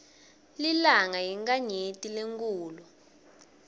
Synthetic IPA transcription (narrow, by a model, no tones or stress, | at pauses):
lilaŋajiŋkaɲetʼileŋkʼuːlɔ